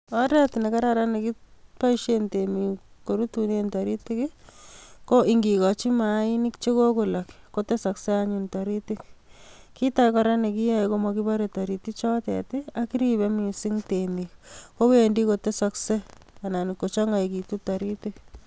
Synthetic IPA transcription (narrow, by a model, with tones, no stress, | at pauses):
ɔ˦ɾɛ˦tne˨ka˦ɾaɾa˦ne˨ki˦pa˦iʃe˦ntemi˨ko˨ɾu˦tune˦ntaɾi˦ti˦k | ko˦ʔiŋɡi˨kɔt͡ʃi˦ma˨˦i˦ni˦kt͡ʃe˦ko˦ku˨la˨kːo˦te˦sa˨kse˦aɲunta˨ɾiti˦k | ki˦takaɾa˦ne˨ki˦ja˦iko˦mɔkiba˦ɾeta˨ɾi˨ti˦k̚t͡ʃɔ˦tɛ̰˨ti˦a˦ki˦ɾibe˦mi˨si˦ŋtemikko˦wendi˦ko˨te˦sa˧kse˦ana˨ni˨kːo˨t͡ʃɔ˦ŋɡa˨ki˨tu˦taɾiti˦k